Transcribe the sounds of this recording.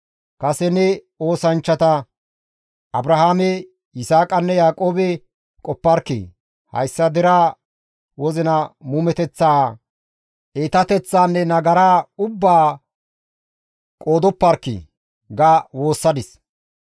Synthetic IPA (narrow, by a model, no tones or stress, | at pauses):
kɐsɛnɛ | o̞ːsɐnt͡ʃːɐt̪ɐ | ʔɐbɾɐɦaːmɛ | ɪsaːkʼɐnːɛjaːkʼo̞ːbɛ | kʼɔpːɐɾkːɪ̰ | hɐ̰jsːɐd̪ɪɾaː | wɔzɪnɐmuːmɛt̪ɛt͡sːaː | ʔeːt̪ɐt̪ɛt͡sːaːnːɛnɐɡɐɾaːʊbːaː | kʼoːd̪ɔpːɐɾkːɪ̰ | ɡawo̞ːsːɐd̪ɪs